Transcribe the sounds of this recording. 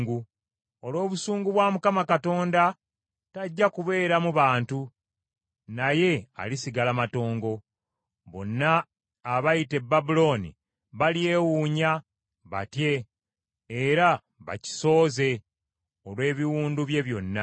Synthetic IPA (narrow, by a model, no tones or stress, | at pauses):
ɡu | o̞lwo̞ːβusuːŋɡuβwaːmukamakato̞ːnda | taɟːakuβe̞ːɾamuβaːntu | naje̞a̰lisiɡalamato̞ːŋɡo̞ | βo̞̰nːaː | βajite̞bːabulo̞ːnḭ | βalje̞ːwuːɲa | βa̰tje̞ː | ɾa | βa̰ci̥so̞ːze̞ | olwe̞ːβiwuːnduβje̞βjo̞nːa